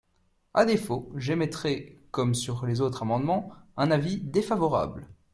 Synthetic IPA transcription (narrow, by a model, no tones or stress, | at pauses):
ad̪efoʒemɛt̪χɛkɔmsyʁlezot̪χamɑ̃d̪mɑ̃ɛ̃navid̪efavɔʁa̰bl